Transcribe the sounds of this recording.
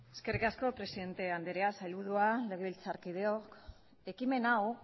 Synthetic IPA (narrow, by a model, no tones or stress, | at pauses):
e̞ske̞rikasko̞pɾe̞siðe̞nt̪e̞and̪eɾeasajlβuð̞uale̞ɣ̞e̞βilt͡saɾkið̞e̞o̞k | e̞kime̞naw